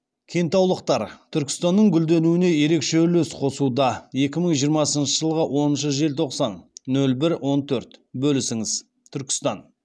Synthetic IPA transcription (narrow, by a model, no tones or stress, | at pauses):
kʲʰe̞jnt̪ɑwlˠəqt̪ɑɾt̪ʰʏɾkʲɪ̥st̪ɑnːəɴɡʲʏld̪e̞nuɪne̞je̞ɾe̞kʃelɵsqʰo̞sud̪ɑje̞kʲɪməɴʒijəɾmɑsənʃəʒəlˠʁəwʔo̞nənʃəʒe̞lt̪ʰo̞qsɑnːɵlbɪɾwʔo̞nt̪ʰɵɾt̪bɵlɪsɪŋɪz | t̪ʰʏɾkʲɪ̥st̪ɑn